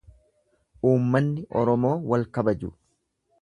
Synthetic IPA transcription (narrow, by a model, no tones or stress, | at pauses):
ʔuːmːɐnːɪʔɔɾɔmo̞ːwɐlkɐbɐd͡ʒʊ̰